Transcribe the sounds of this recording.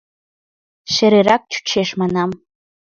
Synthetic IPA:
ʃɐɾerak̚ʷt͡ʃʰu̥t͡ʃʰeʂmanam

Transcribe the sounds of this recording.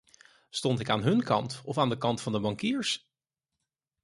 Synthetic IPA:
stɔntɪkaːnɦɵnkɑntɔfaːndəkɑntfɑndəbɑŋkiːɹs

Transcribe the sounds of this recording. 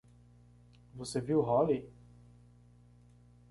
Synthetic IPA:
voseviwɦɔli

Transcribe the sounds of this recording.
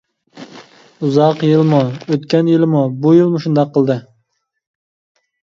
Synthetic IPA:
uzɑqjilˠmuøt̪kʲɛnjilˠɪmubujilˠmuʃund̪ɑqʰːəlˠd̪ɨ

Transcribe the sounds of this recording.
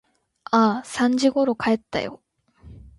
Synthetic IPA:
asãɲd͡ʑiɡo̞ɾo̞kae̞t̪ːa̰jo̞̰

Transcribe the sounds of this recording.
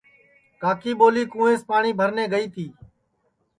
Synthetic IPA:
kaːkiːɓoːliːkũːẽːspaːɳiːbʱəɾnẽːɡəiːt̪ʰiː

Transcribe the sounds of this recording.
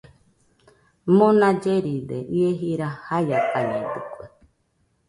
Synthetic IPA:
mõnãd͡ʒeɾid̪ḛʔieɦiɾahajakaɲẽt̪ɨkʷue

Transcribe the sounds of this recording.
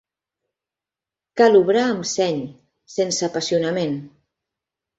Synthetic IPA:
kaluβɾaəmsɛɲ | sensəpasiunəmen

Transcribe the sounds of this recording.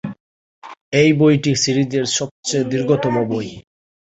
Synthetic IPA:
ejbojʈisiɾid͡ʑeɾʃɔb̚t͡ɕed̪uɾɡʱot̪omoboj

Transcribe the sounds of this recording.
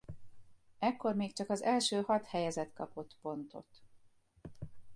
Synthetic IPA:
ɛkːo̞rmeːkt͡ʃɒkɒzɛlʃøːhɒt̪hɛjɛzɛt̪kɒpo̞t̪po̞nt̪o̞̰t̪

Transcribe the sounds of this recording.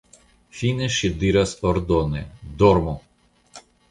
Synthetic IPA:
finɛʃid̪iɾasɔɾd̪ɔnɛ̰d̪ɔɾmɔ

